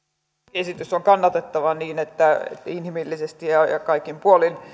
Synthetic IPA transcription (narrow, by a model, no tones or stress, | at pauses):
esit̪ysːoŋkɑnːɑt̪et̪ːɑʋɑniːnet̪ːæḛt̪ːæinhimilːisest̪ijɑjɑ̰kɑikːimpuolin